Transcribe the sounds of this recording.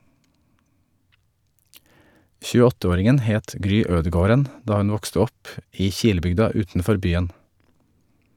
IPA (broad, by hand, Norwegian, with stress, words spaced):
çʉːəˈɔtəˌoːɾɪŋən ˈheːt ˈɡɾyː ˈøːdəˌɡoːɾən ˈdɑː ˈhʉn ˈʋɔkstə ˈɔp ˈiː ˈçiːləˌbʏɡdɑ ˈʉːtn̩ˌfɔɾ ˈbyːən